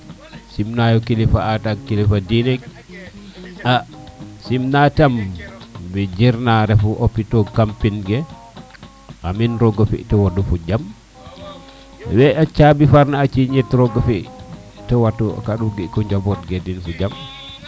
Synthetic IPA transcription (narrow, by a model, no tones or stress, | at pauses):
simnajɔkilifaatakilifadinɛɡ̚ | asimnatam | bɛd͡ʒiɾnaɾɛfuʔopːitɔkampinɡɛ | ʔaminɾɔɡɔfḭʔtɔwodufud͡ʒam | wɛʔat͡ʃabifaɾnaːt͡ʃiɲɛtɾɔɡɔfi | tɔwatːṵkaɗuɡikɔɲd͡ʒabɔtɡedinfud͡ʒam